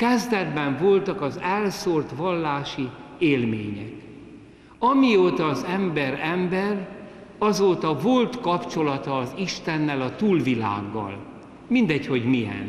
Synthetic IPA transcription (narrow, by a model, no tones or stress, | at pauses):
kɛzd̪ɛd̪bɛɱvo̞lt̪ɒkɒzɛlsort̪ʋɒlːaːʃi | eːlmeːɲɛk | ɒmioːt̪ɒːzɛmbɛɾɛmbɛr | ɒzoːt̪ɒvo̞lt̪kɒpt͡ʃo̞lɒt̪ɒːziʃt̪ɛnːɛlɒt̪uːlvila̰ːɡːɒ̰l | mind̪ɛcho̞ɟmijɛ̰n